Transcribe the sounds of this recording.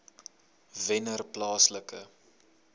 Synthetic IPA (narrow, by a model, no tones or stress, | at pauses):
vɛnərplɑːsləkə̰